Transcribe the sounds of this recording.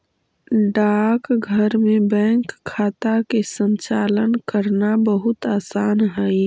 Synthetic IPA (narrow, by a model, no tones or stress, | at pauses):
ɖaːkɡʱəɾmẽbɛ̃ːŋkʰːaːt̪akesə̃nt͡ʃaːlənkəɾnabəɦʊt̪aːsaːnɦɛi